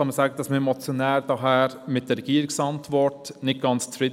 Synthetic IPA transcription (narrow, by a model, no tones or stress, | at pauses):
ɑnməsɑːɡəd̥̪ɑsməɛmɔt͡sjonæːɾdɑɦæːɾmɪt̚d̥̪əɾɛɡ̥iːɾɪksɑnt̪ʋɔɾtnɪt̚ɡ̥ɑnt͡st͡sfɾɪ